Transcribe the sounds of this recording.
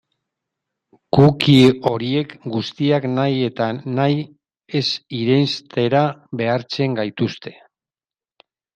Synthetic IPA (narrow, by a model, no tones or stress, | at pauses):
kukio̞ɾie̞kɡust̪iaknaje̞t̪anaj | e̞siɾejnst̪e̞ɾaβe̞aɾt͡se̞ŋɡajt̪ust̪e̞